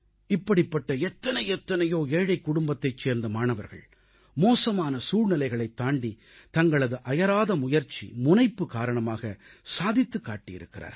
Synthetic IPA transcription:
ɪpːɐɽɪpːɐʈːɐɛt̪ːɐnɐɪjɛt̪ːɐnɐjoːeːɻɐɪkːʊɽʊmbɐt̪ːɐɪt͡ʃːeːɾnd̪ɐmaːɳɐʋɐɾɣɐ̰ɭ | moːsɐmaːnɐsuːɻnɪlɐɪɣɐɭɐɪt̪ːaːɳɖi | t̪ɐŋɡɐɭɐðɯʔɐjɐɾaːðɐmʊjɐɾt͡ʃḭmʊnɐɪpːɯkaːɾɐɳɐmaːɣɐ | saːðɪt̪ːɯkːaːʈːɪjɪ̰ɾɯkːɪrʔa̰ːɾ

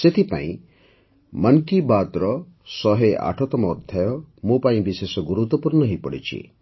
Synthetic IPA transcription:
set̪ʰipa̰ḭ̃ | mɐnkibad̪ɾɔ | sɔɦea̰ʈʰɔt̪ɔmɔːd̪ʱjajɔmũpaĩbisesɔɡuɾut̪ɔpuɾnɔɦipɔɽḭt͡ʃʰḭ

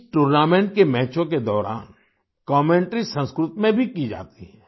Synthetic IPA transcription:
ʈuːɾnaːmẽːɳʈkemɛːt͡ʃõk̬ed̪ɔːɾa̰ːn | kɔːmẽːɳʈɾisə̃nskɾʊt̪mẽbʱikid͡ʒa̰ːt̪iɦɛ

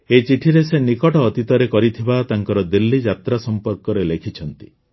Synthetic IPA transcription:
et͡ʃiʈʰiɾesenikɔʈɔːt̪it̪ɔɾekɔɾit̪ʰibat̪aŋkɔɾɔd̪ilːid͡ʒat̪ɾasɔmpɔɾkɔɾelekʰit͡ʃʰɔnt̪i̥

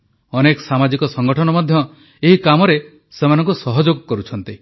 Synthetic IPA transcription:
ɔnekɔsamad͡ʒikɔsɔŋɡɔʈʰɔnɔmɔd̪ʱjɔ | eɦikamɔɾe | semanɔ̃ŋkusɔɦɔd͡ʒoɡkɔɾut͡ʃʰɔnt̪i

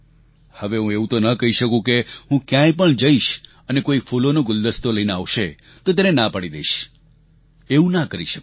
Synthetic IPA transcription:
həʋeɦũeũt̪onəkəɦiʃəkũkeɦũkjãjpəɳd͡ʒəiʃ | ənekoifʰolonõɡʊld̪əst̪oləineaʋʃe | t̪ot̪̬enenãpəɽid̪eiʃ | eũnakəɾiʃək

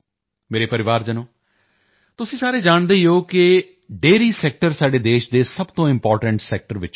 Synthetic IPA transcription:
meːɾeːpəɾɪʋaːɾd͡ʒənõː | t̪ʊsĩːsaːɾeːd͡ʒaːɳd̪əiːoːkɪ | ɖeːɾiːsɛːk̚ʈəɾsaːɖeːd̪eːʃd̪eːsəbt̪õːɪmpɔːɾʈəɳʈsɛːk̚ʈəɾʋɪt͡ʃ

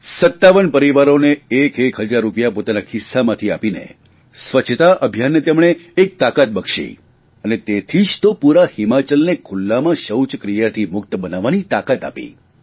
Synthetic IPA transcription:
sət̪ːaʋənpəɾiʋaɾoneekʰekʰɦəd͡ʒaɾːupjapot̪anakʰɪsːamãt̪ʰiapinḛ | sʋət͡ʃʰət̪aʔəbʱjanːet̪emɽ̃eːk̚t̪akat̪̚bəkʃḭ | ənet̪et̪ʰid͡ʒt̪opuɾahimat͡ʃəlnekʰʊlːamãʃəwt͡ʃkɾijat̪ʰimʊk̚t̪bənaʋːanit̪akat̪a̰pḭ

